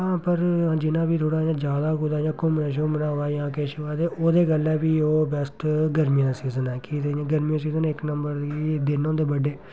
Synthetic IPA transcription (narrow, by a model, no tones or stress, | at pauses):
ɦãːpəɾãːd͡ʒɪnãːbiːt̪ʰoːɽaːjãːd͡ʒjaːd̪aːkʊd̪aːjãːkʊmnɛːʃ̬õːmənãːʋaːjãːkeːʃoaːt̪eːʔoːd̪eːɡəlɛːbiːoːbəst̪ɡəɾmijãːsiːzənɛːkiːt̪ẽːɡəɾmijãːsiːzənɪknəmbəɾd̪iːd̪ɪnõːd̪eːbəɖeː